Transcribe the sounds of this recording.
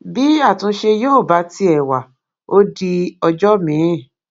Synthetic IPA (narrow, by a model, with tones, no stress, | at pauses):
bi˦a˦˨tũ˧˦ʃe˧joː˦˨ba˨˦ti˧ɛ˨wa˨ | o˦di˧ɔ˧d͡ʒɔ˦mĩ˨˦˨